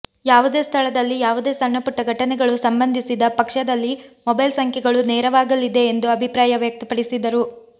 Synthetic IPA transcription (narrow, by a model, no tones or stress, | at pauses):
jaːʋud̪e̞ːst̪ʰɐɭɐd̪ɐlːijaːʋud̪e̞ːsɐɳːɐpuʈːɐɡʱɐʈɐnɛɡɐɭusɐmbɐnd̪ʱisid̪ɐpɐkʂɐd̪ɐlːimɔbɐjlsɐŋkʰjɛɡɐɭuneːɾɐʋaːɡɐlid̪e̞ːnd̪uɐbʱipɾaːjɐʋjɐk̚t̪ɐpɐɽisid̪ɐɾu